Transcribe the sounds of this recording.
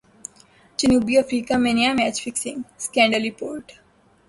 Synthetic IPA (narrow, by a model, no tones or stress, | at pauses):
d͡ʒənuːbiəfɾiːkamenijamɛːt͡ʃfɪksɪ̃ŋɡskɛ̃ːɳɖəlipoːɾʈ